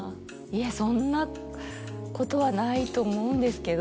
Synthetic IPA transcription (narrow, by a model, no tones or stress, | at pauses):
iasõ̞nːa | ko̞t̪o̞βanait̪o̞ːmo̞ɯ̟̃nd̪e̞sɨ̥ke̞d̪o